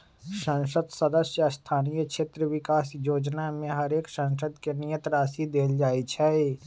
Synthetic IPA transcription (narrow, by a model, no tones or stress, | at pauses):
ʃə̃ŋʃəd̪səd̪əsjəst̪ʰaːnijəkʃʰeːt̪ɾəʋɪkaːsjoːd͡ʒnamẽɦɐɾeːksə̃ŋʃəd̪kenijə̃t̪ɾaːsid̪eːld͡ʒaːit͡ʃʰɛːeː